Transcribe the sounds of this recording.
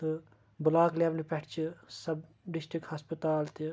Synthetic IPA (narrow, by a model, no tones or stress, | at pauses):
ɨ | bʊlaːkliɐbnipɛʈʰt͡ʃʰɨsɐb | ɖɪsʈɾikhɐspət̪aːlt̪i